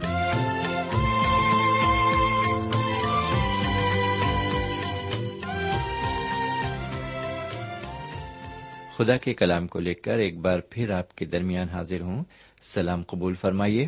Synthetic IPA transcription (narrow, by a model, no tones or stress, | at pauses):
xʊd̪akekɐlaːmkoleːkɐɾeːk̚baːɾpʰɪɾaːpked̪ɐɾmijaːnɦaːzɪɾɦũ | sɐlaːmqɐbuːlfɐɾmaːieː